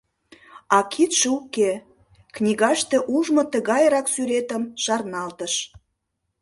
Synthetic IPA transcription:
ɑkʰit̪ʃəuke | knʲiɣɑʃt̪eʔuʒmot̪əɣɑjɾɑksyɾet̪əmʃɑrnɑlt̪əʃ

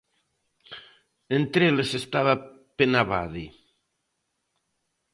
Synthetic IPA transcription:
ent̪ɾelesest̪aβa | penaβa̰ði

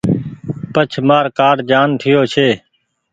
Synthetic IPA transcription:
pət͡ʃʰmaːɾkaːɾd͡ʒaːnʈ̪ʰɪjoːt͡ʃʰeː

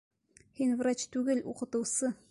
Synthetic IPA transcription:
hinvrat͡ɕt̪ʉɡɘluqɤ̆t̪ɤ̆wsɤ

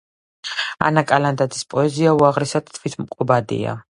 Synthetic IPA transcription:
a̰nakʼaland̪ad̪zispʼɔɛziauaʁɾisad̪̥t̪ʰvit̪ʰmqʼɔbad̪ḭa̰

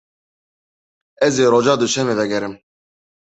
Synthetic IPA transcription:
ɛzeːɾod͡ʒɑːd̪uʃʰɛmɛvɛɡɛɾɨm

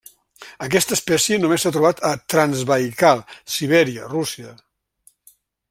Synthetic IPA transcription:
ək̬ɛst̪əspɛsjənumesːat̪ɾuβ̞at̪ət̪ɾanzβəjkalˠsiβ̞ɛɾiərusiə

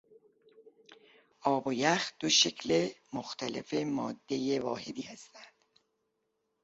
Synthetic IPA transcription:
ʔɒːbojæxd̪̥oʃe̞cʰle̞moxt̪ʰæle̞̰femɒːd̪ːe̞jevɒːhe̞d̪iːhæst̪ænd̪̥

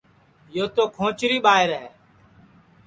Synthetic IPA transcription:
joːt̪oːkʰõːt͡ʃɾiːɓaːɦɪɾɦɛː

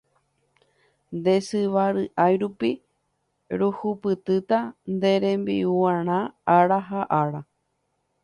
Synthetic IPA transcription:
nd̪e̞sɨʋaɾɨʔajɾupi | ɾuhupɨt̪ɨt̪and̪e̞ɾẽ̞mbḭuãɾ̃ãaɾaɦaʔaɾa

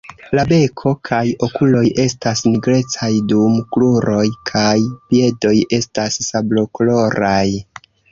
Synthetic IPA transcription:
labe̞kʰo̞kʰajo̞kulo̞jʔe̞stasniɡɾe̞t͡sajdumkluɾo̞jkʰajpie̞do̞je̞stassablo̞kolo̞ɾaj

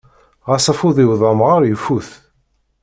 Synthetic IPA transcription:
ʁɑsˤɑfʊðˤiwðˤɑmʁəɾjəfːuθ

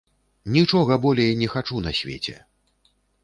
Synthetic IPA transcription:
nʲit͡ʂɔɣɐbɔlʲɛjnʲɛxat͡ʂunɐ̰sʲvʲḛt͡sʲɛ̰

